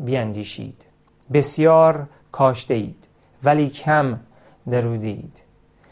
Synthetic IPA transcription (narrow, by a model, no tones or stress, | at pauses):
biænd̪iːʃḭːd̪̥ | besjɒːɾ | kʰɒːʃd̪eiːd̪̥ | væliːcʰæm | d̪eɾuːd̪eḭːd̪̥